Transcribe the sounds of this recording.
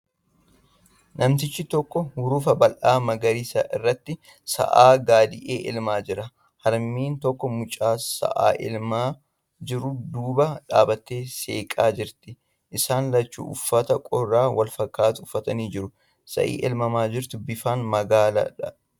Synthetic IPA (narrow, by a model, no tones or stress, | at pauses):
nʔɐmt̪ɪt͡ʃːɪt̪ɔkːɔhʊɾuːfɐbɐlʔaːmɐɡɐɾisɐ̰ʔɪrːɐt̪ːɪ | sɐ̰ʔaːɡaːd̪ɪʔeːʔɪ̰lmaːd͡ʒɪɾɐ | hɐɾmiːnt̪ɔkːɔmʊt͡ʃʼaːsɐ̰ʔa̰ːʔɪ̰lmaː | d͡ʒɪɾʊd̪uːbɐᶑaːbɐt̪ːe̞ːseːkʼaːd͡ʒɪɾt̪ɪ | ʔɪsaːnlɐt͡ʃːṵːʔʊfːɐt̪ɐkʼɔrːaːwɐlfɐkːaːt̪ʊʊfːɐt̪ɐniːd͡ʒɪɾʊ | sɐ̰ʔḭːʔɛlmɐmaːd͡ʒɪɾt̪ʊbɪfaːnmɐɡaːlɐ̰ᶑɐ